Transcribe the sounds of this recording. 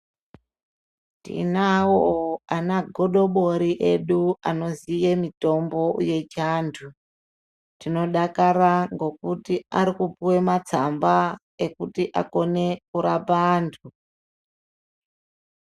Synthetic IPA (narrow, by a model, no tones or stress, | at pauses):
tḭnawoanaɡʱoɗo̞ɓo̞ɾiʔe̞ɗuano̞zijemito̞mbo̞je̞t͡ʃantʰu | tino̞ɗakaɾaŋɡo̞kutiaɾikupuwemat͡samba | e̞kutiʔa̰ko̞ne̞kuɾapaːntʰu